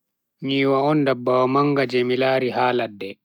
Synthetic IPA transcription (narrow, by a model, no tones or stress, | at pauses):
ɲiːwaɔndabːawamaŋɡad͡ʒɛmilaːɾihaːladːɛ